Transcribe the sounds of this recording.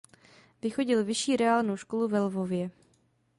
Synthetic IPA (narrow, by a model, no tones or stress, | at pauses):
vɪxo̞ɟɪlvɪʃiːɾɛaːlnowʃko̞luvɛlvo̞vjɛ